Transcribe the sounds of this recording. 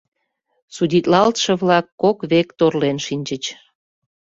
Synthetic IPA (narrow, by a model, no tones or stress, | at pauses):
sudʲit̪lɑlt̪ʃə̆βlɑkːokβekt̪orlenʃinʲt͡ɕət͡ɕ